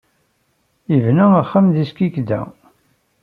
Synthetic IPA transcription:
ivnæəχːəmðiskikd̪æ̰

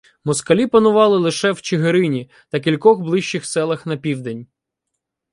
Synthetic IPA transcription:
mɔskɐlʲipɐnʊʋɑlˠɪlˠɪʃɛwt͡ʃeɦeɾɪnʲi | t̪ɐk̬ʲilʲkɔxblˠɪʃt͡ʃːɪxsɛlˠɐxnɐpʲiwd̪enʲ

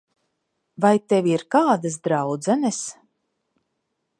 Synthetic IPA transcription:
vajt̪ɛvʲiɾkaːd̪asd̪ɾawd̪zɛnɛs

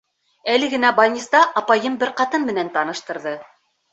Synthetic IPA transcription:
ælɘ̆ɡɘ̆næbɑnʲist̪ɑʔɑpɑjɤmbɘɾqɑt̪ɤnmɘ̆nænt̪ɑnɤ̆ʃt̪ɤ̆ɾðɤ

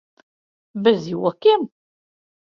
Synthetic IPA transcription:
bæziwækːim

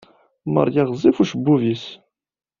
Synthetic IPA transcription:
mɑ̰ɾˤjɑʁzˤifuʃəbːuvis

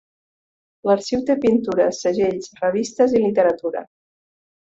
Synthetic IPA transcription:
ləɾsiwt̪epint̪uɾəsəʒeʎsrəβist̪əzilit̪əɾət̪uɾə̰

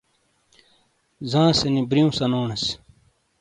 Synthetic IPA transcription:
zãːsenibɾiũsɐnoːɳɐs

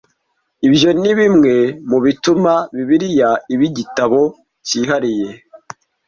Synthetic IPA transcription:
ibjo̞niβimŋe̞muβitumaβiβiɾijaiβiɟitaβo̞ | ciɦaɾije̞

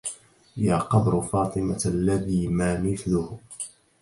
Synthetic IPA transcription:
jaːqɑbɾʊfɑːt̪ˤɨmalːaðiːmaːmɪθlʊh

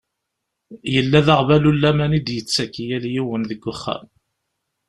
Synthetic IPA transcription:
jəlːæðaʁvælulːæmænid̪jət͡sːækijæljiwənðəɡʷːəχːæ̰m

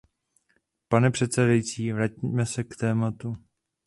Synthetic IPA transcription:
panɛpr̝̥ɛt̪t͡sɛdajit͡siːvɾacimɛsɛkt̪ɛːmat̪u

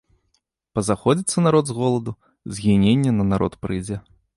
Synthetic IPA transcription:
pɐzaxɔd͡zʲit̪sːɐnaɾɔd̪zɣɔlˠɐd̪u | zʲɣʲinʲenʲːɛnɐnaɾɔ̰t̪pɾɨjd͡zʲɛ

